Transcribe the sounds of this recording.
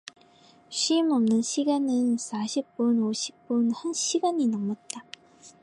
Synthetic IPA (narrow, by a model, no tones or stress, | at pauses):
ɕʰimʌmnɯnɕʰiɡanɯnsʰaɕʰip̚p͈unoɕʰi̥p̚p͈unhanɕʰiɡaɲinʌŋmʌt̚t͈a